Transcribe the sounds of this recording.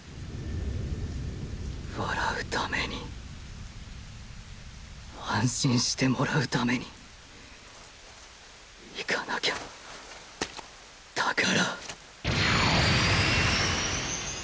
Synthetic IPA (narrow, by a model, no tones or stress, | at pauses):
βaɾaɯ̟t̪ʰame̞ɲ̟i | hãɰ̃ɕĩɰ̃ɕi̥t̪e̞mo̞ɾaɯ̟t̪ame̞ɲ̟i | ikʰanakʲeo | d̪̥akaɾa